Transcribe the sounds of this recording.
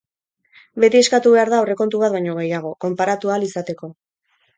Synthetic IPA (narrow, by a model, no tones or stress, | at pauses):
be̞t̪ie̞skat̪uβe̞aɾðaore̞ko̞nt̪̬uβat̪βajɲo̞ɣ̞e̞jaɣ̞o̞ko̞mpaɾat̪ualisat̪e̞ko̞